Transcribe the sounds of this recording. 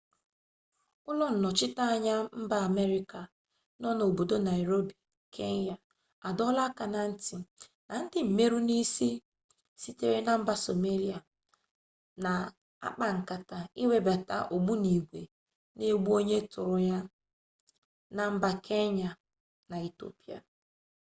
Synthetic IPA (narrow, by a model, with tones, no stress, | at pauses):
ʊ˦lɔ˦n̩˨nɔ˨t͡ʃɪ˦ta˦ɲa˦m̩˦ba˦a˨me˦ɾi˦ka˨ | nɔ˦no˨o˨bo˨do˦na˨i˨ɾo˦bi˨ | kʰe˦n˦ja˨ | a˨dɔ˦la˦ka˨na˨n̩˦ti˨na˨n̩˦dɪ˦m̩˨me˦ɾu˦ni˦si˦ | si˦te˦ɾe˦na˨m̩˦ba˦so˨me˦li˦a˨ | na˨ | a̰˦k͡pa˨ŋ̩˨ka˨ta˨i˦we˦ba˨ta̰˦ʔo˨ɡ͡bu˦ni˨ɡʷe˨ | ne˦ɡ͡bu˦o˦ɲe˦tʊ˨ɾʊ˨ja˦ | na˨m̩˦ba˨kʰe˦ɲa˨ | na˨i˨to̰˦pi˦a̰˨